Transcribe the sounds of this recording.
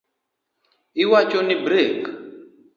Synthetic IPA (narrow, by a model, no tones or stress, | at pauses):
iwat͡ʃɔnibɾek